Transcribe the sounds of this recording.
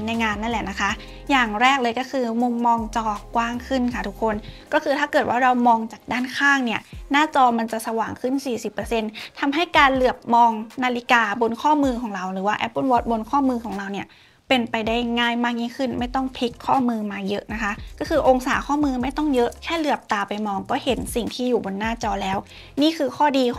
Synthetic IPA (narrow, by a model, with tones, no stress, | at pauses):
na˧jŋaː˧nːa˥˩nlɛ˨˩na˦˥kʰa˦˥ʔ | jaː˨˩ŋɾɛː˥˩k̚lɤː˧jkɔː˥˩kʰɯː˧mu˧mːɔː˧ŋt͡ɕɔː˧kwaː˥˩ŋkʰɯ˥˩nkʰa˥˩t̪ʰu˦˥kʰːo˧nkɔː˥˩kʰɯː˧t̪ʰaː˥˩kɤː˨˩t̪̚waː˥˩ɾa˧wmɔː˧ŋt͡ɕaː˨˩k̚daː˥˩nkʰaː˥˩ŋni˥˩ɐnaː˥˩t͡ɕɔː˧ma˧nt͡ɕa˨˩ʔsa˧waː˨˩ŋkʰɯ˥˩nsiː˨˩si˨˩pːɤ˧se˧nt̪ʰa˧mɦa˥˩jkaː˧nlɯ˨˩əp̚mɔː˧ŋnaː˧li˧˦˥kaː˧bo˧nkʰɔː˥˩mɯː˧kʰɔː˩˦ŋɾa˧wɾɯː˩˦waː˥˩ʔɛ˦˥pːu˧˥˨nwɔː˦˥t̪̚bo˧nkʰɔː˥˩mɯː˧kʰɔː˩˦ŋɾa˧wni˧˥˩ɐ | pe˧npa˧jda˥˩jŋaː˥˩jmaː˥˩k̚ɲiː˥˩kʰɯ˥˩nma˥˩jt̪ɔ˥˩ŋpʰi˦˥kʰːɔː˥˩mɯː˧maː˧jɤ˦˥ʔna˦˥kʰa˦˥ʔkɔː˥˩kʰɯː˧ʔo˧ŋsaː˩˦kʰɔː˥˩mɯː˧ma˥˩jt̪ɔ˥˩ŋjɤ˦˥ʔkʰɛː˥˩lɯ˧˩əp̚t̪aː˧pa˧jmɔː˧ŋkɔː˥˩he˩˦nsi˨˩ŋt̪ʰiː˥˩juː˨˩bo˧nːaː˥˩t͡ɕɔː˧lɛː˦˥w | niː˥˩kʰɯː˧kʰɔː˥˩diː˧